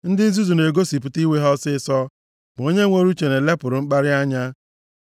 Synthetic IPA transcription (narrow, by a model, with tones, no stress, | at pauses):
n̩˦dɪ˦n̩˦zu˦zu˨ne˨ɡo˦si˨pʊ˨˦ti˦we˦ɦɔ˦sɪ˦sɔ˦ | bʊ˨o˦ɲe˦ŋʷe˦ɾu˦t͡ʃe˨ne˨le˦pʊ˨ɾʊ˨ŋ͡m̩˦k͡pa˦ɾɪ˦a˦ɲa˦